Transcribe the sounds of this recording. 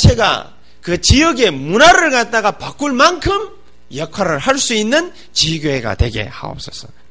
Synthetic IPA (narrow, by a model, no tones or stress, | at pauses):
t͡ɕʰe̞ɡa̰ | kɯt͡ɕijʌɡe̞munaɾɯɭkat̚t͈aɡapak͈uɭmankʰɯm | jʌkʰaɾɯɭhaɭs͈uinːɯn | t͡ɕiɡoeɡa̰twe̞ɡe̞̰ha̰o̰p̚s͈ʌsʰʌ